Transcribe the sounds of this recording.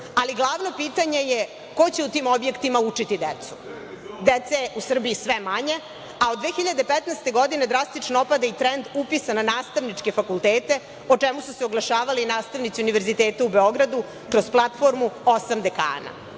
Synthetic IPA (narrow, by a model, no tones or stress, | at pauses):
aliɡlˠaːʋno̞piːt̪aɲe̞je | ko̞t͡ɕe̞ut̪iːmo̞bje̞kt̪imaut͡ʂit̪id̪et̪su̥ | d̪et̪seʔusr̩biisʋemaɲe̞ | aod̪ʋeːxiʎad̪epet̪nast̪e̞ɡo̞d̪ine̞d̪ɾast̪it͡ʂnoopad̪ait̪ɾend̪upisananaːst̪aʋnit͡ʂke̞fakulˠt̪eːt̪e̞ | ot͡ʂemususeoɡlˠaʃaːʋalinaːst̪aʋnit̪siuniʋe̞ɾzit̪eːt̪aubeo̞ɡɾad̪u | kɾozplˠat̪fo̞ɾmuosamd̪eka̰ːna̰